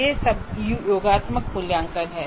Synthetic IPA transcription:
esɐbjoːɡaːt̪mək̚pʊljãːŋkəɾɦɛː

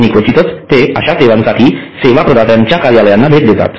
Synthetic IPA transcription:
nikʋət͡ɕit̪ət͡st̪eəɕaseʋãnsaʈʰiːseʋapɾəd̪at̪jaɲt͡ɕjakaɾjaləjanːabʱeʈ̪̚d̪et̪a̰t̪

